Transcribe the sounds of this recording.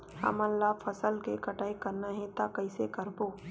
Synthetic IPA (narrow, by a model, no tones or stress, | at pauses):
hɐ̰mənlːaːfʰəsəlkekɐʈaːikɐɾnaɦɛ̃t̪akɐɪsekəɾboː